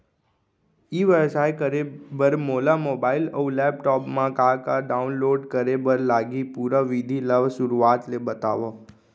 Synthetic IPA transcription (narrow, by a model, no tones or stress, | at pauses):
iʋəɾsajkəɾebəɾmolamobailəulɛpʈɔpmãkakaɖaunloɖkəɾebəɾlaɡipuɾəʋid̪ʱiləʋsʊɾuat̪lebət̪a̰ʋo